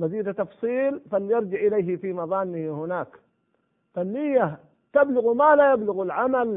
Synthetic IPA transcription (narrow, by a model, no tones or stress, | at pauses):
maziːd̪at̪ɑfsˤiːlfalːijɑɾˤd͡ʒɪʕʔɪlajɦifimɑðˤɑːnːɪhhʊnaːk | fanːijːa | t̪ablʊɣmaːlajablʊɣalʕamal